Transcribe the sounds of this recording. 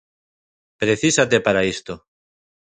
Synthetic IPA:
pɾeθisat̪e̞paɾaest̪o

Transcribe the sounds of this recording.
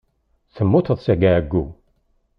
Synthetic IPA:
θəmːut̪əðˤsæɡææɡːṵ

